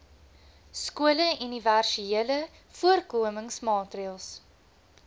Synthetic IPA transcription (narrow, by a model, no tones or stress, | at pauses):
skuələyniværʃiiələ | fuərkuəməŋsmɑːtriəlˠs